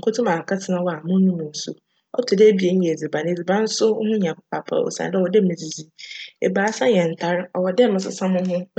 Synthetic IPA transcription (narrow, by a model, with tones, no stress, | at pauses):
kʰʊ˦tʰʊ̃˦mã˨kʰa˦tʰɪ˨nã˦wɔ˦a˨mʊ̃˦nʊ̃˦mʊ̃˨n̩˦sʊ̰˨ | ɔ˦tʰʊ˨de˦bi˨e˨n̩˦ɲɛ̃˨e˨d͡zi˨bã˨n˨e˨d͡zi˨bã˦n̩˦sʊ˦hʊ̃˦ɲã˨kʰʊ˦pʰa˨pʰa̰˦˨ɔ̰˨sã̰˨˦dɛ˦wɔ˨de˦mɪ̃˨d͡zi˨d͡zi˦ḛ˨baː˨˦sã˦ɲɛ̃˨n̩˨tʰa˦ɾɔ˨wɔ˨dɛ˦mɪ̃˨s̬ʊ̰˨sã˦mʊ̃˦ɦʊ̃˦